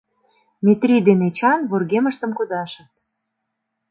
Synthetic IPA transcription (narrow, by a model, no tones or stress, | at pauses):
mʲet̪rʲid̪enet͡ɕɑnβorɣemə̆ʃt̪ə̆mkud̪ɑʃə̆t̪̚